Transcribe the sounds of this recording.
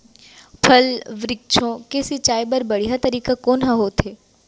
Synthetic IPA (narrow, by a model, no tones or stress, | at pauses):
pʰɐlʋɾɪk̚t͡ʃʰõkeːsit͡ʃaːjbəɾbɐɽ̤iɦat̪ɐɾiːkakoːnɦaɦot̪ʰeː